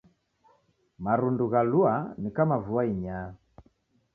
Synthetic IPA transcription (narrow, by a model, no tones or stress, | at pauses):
maɾunduɣaluanikamavuaiɲaː